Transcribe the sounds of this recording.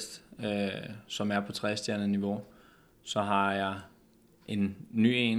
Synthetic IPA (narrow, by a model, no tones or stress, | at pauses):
sd̥øsɒ̽mæɐpʰɒ̽t͡sʰʁɛsd̥jæɐnəniʋo̝ | sɒ̽ɦɑ̈jɑ̈ɪ | ʔe̝nːy̰ːen